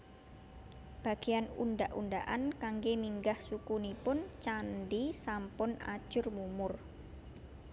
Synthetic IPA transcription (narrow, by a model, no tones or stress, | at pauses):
b̥a̤ɡ̥eanṵnɖaʔundaʔankaŋɡemiŋɡahsukunipʊnt͡ʃanɖisampʊna̰̥ʒ̥ʊ̤rmumʊr